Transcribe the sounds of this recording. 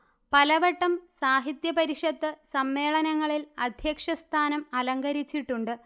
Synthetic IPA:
pɐlɐʋɐʈːɐmsaːɦit̪jɐpɐɾiʂɐd̪ːɨsɐmːe̞ːɭɐnɐŋːɐɭilɐd̪ʱjɐkʂɐst̪ʰaːnɐmɐlɐŋɡɐɾit͡ɕːiʈːuɳɖɨ

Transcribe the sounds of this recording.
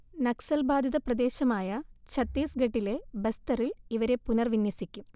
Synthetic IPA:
nɐksɐlbaːd̪ʱjiðɐprɐd̪e̞ːɕɐmaːjɐt͡ɕɐt̪ːiːsɡɐʈːile̞bɐst̪ɐriliʋɐɾe̞punɐrʋinjɐsikʲːum

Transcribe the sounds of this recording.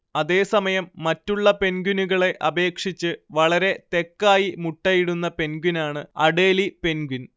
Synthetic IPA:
ɐðe̞ːsɐmɐjɐmːɐtːuɭːɐpe̞nɡunuɣɐɭe̞ʔɐbe̞ːkʂit͡ɕːɨʋɐɭɐɾe̞t̪e̞kːaːjimuʈːɐjiɽunːɐpe̞nɡunaːɳɨɐɽe̞ːlipe̞nɡun

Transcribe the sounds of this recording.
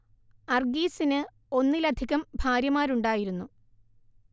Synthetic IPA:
ɐrɡiːsinɨ | o̞nːilɐd̪ʱiɣɐmbʱaːɾjɐmaːɾuɳɖaːjiɾunːu

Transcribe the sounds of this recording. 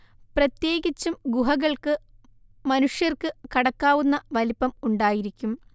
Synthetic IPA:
prɐt̪je̞ːɡit͡ɕːumɡuɦɐɣɐɭkɨ | mɐnuʂjɐrkɨkɐɽɐkːaːʋunːɐʋɐlipːɐmuɳɖaːjiɾikʲːum

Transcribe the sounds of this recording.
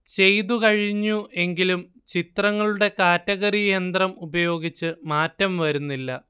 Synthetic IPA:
t͡ɕe̞jðukɐɻiɲːuʔe̞ŋɡilum | t͡ɕit̪rɐŋːɐɭuɽe̞kaːtːɐɣɐrijend̪rɐmubɐjo̞ːɡit͡ɕːɨmaːtːɐmʋɐɾunːilːɐ

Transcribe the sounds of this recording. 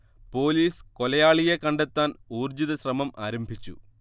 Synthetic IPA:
po̞ːliːsko̞lɐjaːɭijekɐɳɖet̪ːaːnuːrd͡ʑiðɐɕrɐmɐmaːɾɐmbʱit͡ɕːṵ

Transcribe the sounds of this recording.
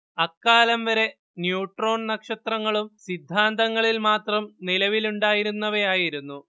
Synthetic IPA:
ɐkːaːlɐmʋɐɾe̞ | njuːʈro̞ːɳnɐkʂɐt̪rɐŋːɐɭumsid̪ʱːaːnd̪ɐŋːɐɭilmaːt̪rɐmnilɐʋiluɳɖaːjiɾunːɐʋejaːjiɾunːu

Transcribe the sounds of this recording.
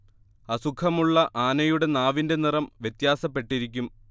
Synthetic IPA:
ɐsukʰɐmuɭːɐʔaːnɐjuɽe̞naːʋinde̞nirɐmʋje̞t̪jaːsɐpːe̞ʈːiɾikʲːum

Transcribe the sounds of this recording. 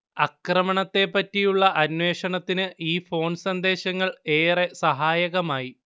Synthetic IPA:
ɐkrɐmɐɳɐt̪ːe̞pːɐtːijuɭːɐʔɐnwe̞ːʂɐɳɐt̪ːinɨʔiːfo̞ːnsɐnd̪e̞ːɕɐŋːɐɭe̞ːre̞sɐɦaːjɐɣɐmaːji

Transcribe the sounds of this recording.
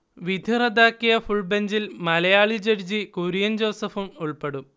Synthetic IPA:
ʋid̪ʱirɐd̪ʱaːkːijɐfuɭbeɲd͡ʑilmɐlɐjaːɭid͡ʑɐɾd͡ʑikuːɾijɐnd͡ʑo̞ːsɐfumuɭpeɽum

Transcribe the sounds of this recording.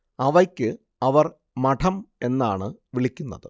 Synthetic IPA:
ɐʋɐkʲːɨ | ɐʋɐr | mɐʈʰɐme̞nːaːɳɨʋiɭikʲːunːɐ̰ðɨ

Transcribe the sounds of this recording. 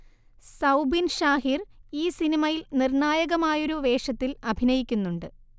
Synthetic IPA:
sɐwbinʂaːɦiriːsinimɐjilnirɳaːjɐɣɐmaːjo̞ɾuʋe̞ːʂɐt̪ːilɐbʱinɐjikʲːunːuɳɖɨ

